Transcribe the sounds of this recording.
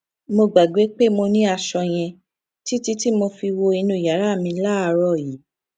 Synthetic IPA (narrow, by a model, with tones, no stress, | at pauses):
mo˧ɡ͡ba˨ɡ͡be˨˦k͡pe˦mo˧nĩ˦a˧ʃɔ˧j̃ɛ̃˧ | ti˦ti˦ti˦mo˧fi˧wo˧i˧nũ˧˨ja˨˦ɾa˦˨mĩ˧la˦˧ɾɔ˦˨ji˨˦